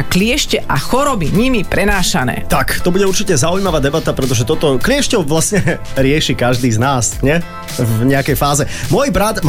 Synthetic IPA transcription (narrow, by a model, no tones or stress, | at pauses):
klɪɛʃcɛʔaxɔɾɔbiɲimipɾɛnaːʃanɛ̰ːt̪akt̪ɔbuɟɛuɾt͡ʃicɛzaujmaʋaːd̪ɛbat̪apɾɛt̪ɔʒɛt̪ɔt̪ɔklɪɛʃcɔʊʋlasɲɛɾɪɛʃikaʒd̪iːznaːsɲɛ | vɲɛakɛjfaːzɛmʊɔjbɾat̪m